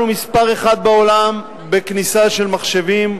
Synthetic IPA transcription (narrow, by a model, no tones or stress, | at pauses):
umispaʁeχad̪̚beo̞lam | be̞knisaʃe̞lmaχʃe̞vim